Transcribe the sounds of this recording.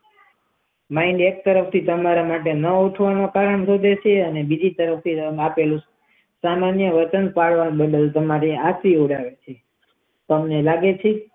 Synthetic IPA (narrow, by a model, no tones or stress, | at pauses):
maiɳɖek̚t̪əɾəpʰt̪ʰit̪əmaɾamaʈ̬enəuʈʰʋanokaɾəɳsod̪ʱet͡ʃʰeənebid͡ʒit̪əɾəft̪ʰiəmapelũ | samanjəʋət͡ʃənpaɭʋabəɖəlt̪əmaɾiasɾioɽaʋet͡ʃʰe | t̪əmnelaɡet͡ʃʰe